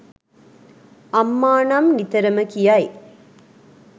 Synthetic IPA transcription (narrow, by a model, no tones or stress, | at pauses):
ɐmːaːnɐmnit̪ɐɾɐməkijɐj